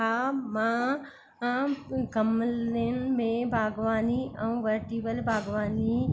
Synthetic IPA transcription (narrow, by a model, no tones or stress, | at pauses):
amã | ɡɐmlenmẽbʱaːɡʋaːniɐũʋəɾʈiːʋəlbʱaːɡʋaːni